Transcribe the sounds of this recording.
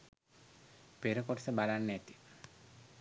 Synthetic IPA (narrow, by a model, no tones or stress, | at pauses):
peɾəkoʈə̥səbalanːæt̪i̥